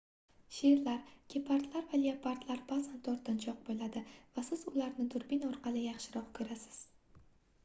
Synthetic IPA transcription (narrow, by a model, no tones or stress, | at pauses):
ʃeɾlaɾkʲepʰaɾt̪laɾvaliapʰaɾt̪laɾbazant̪ʰɵɾt̪ːant͡ʃʰɒq̚bolad̪ɪvasɪzʊlaɾnɪd̪ʊɾbinɒɾqʰɑlˠɪjɑχʃɪɾɒqkʲʰɵɾasɪ̥z̥